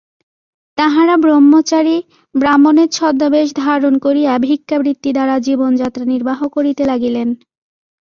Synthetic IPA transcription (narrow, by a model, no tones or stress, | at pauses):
t̪aɦaɾabɾomːot͡ɕaɾi | bɾamoneɾt͡ɕʰɔd̪ːabeʃ̬d̪ʱaɾonkoɾiabʱikːabɾit̪ːid̪aɾad͡ʑibond͡ʑat̪ːɾaniɾbaɦokoɾit̪elaɡilen